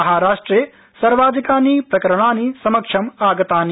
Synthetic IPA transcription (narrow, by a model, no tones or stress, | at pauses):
ɐɦaːɾaːʂʈɾeː | sɐɾʋaːd̪ʱikaːnipɾɐkɐɾɐɳaːnisɐmɐkʂʰɐmaːɡɐt̪aːni